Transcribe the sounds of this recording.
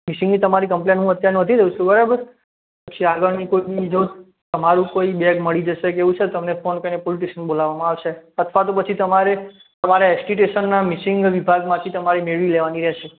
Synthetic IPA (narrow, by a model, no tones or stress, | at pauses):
misɪ̃ŋɡnit̪əmaɾikəmplenɦũət̪jaɾnət̪ʰiɾəut͡ʃʰubəɾabəɾ | pət͡ʃʰiaɡəɭnikoiiid͡ʒo | t̪əmaɾũkoibɛɡməɭid͡ʒəʃekeʋũt͡ʃʰet̪əmnefonkəɾinepoliʈ̬iʃənbolaʋamãaʋʃeət̪ʰʋat̪opət͡ʃʰit̪əmaɾe | t̪əmaɾaɛsʈiʈ̬eʃənːamisɪ̃ŋɡʋibʱaɡmãt̪ʰit̪əmaɾemeɭʋileʋaniɾɛʃe